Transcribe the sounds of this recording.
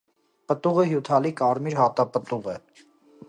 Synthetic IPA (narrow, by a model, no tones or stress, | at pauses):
pət̪uɣeɦjuːt̪ʰaːlikaːɾmiɾɦaːt̪apət̪uɣɛ